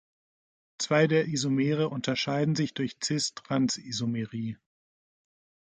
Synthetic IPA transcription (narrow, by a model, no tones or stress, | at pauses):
t͡sv̥aɪdeːɐʔizomeːʁ̞əʔʊntɐʃaɪdn̩zɪçd̥ʊɐçt͡sɪstʁ̥ansizomeʁiː